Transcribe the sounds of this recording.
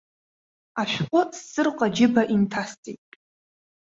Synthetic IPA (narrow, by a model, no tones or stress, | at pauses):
aʃᶣqʷʼʊsːɨrqʼad͡ʒɪbaʔintʰast͡sʼejtʼ